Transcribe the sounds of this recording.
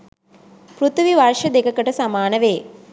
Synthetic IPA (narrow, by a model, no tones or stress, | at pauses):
pɾut̪ʰʋiʋarʃɐd̪ekəkəʈəsamaːnəʋeː